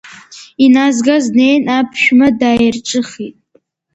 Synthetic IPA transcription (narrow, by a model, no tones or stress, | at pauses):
inazɡazne̞jnapʰʃᶣmadaːjrʈ͡ʂʼɨχitʼ